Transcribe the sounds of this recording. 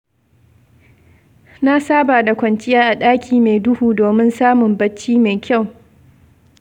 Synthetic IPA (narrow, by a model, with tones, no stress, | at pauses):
na˦saː˦baː˨da˨kʷɐ˨nt͡ʃɪ˦jaː˦ʔa˨ɗaː˦kʲiː˨me˨dʊ˦huː˨doː˨mɪ˦nsaː˦mʊ˨mbɐ˦t͡ʃːiː˦meː˨kʲa˦˨w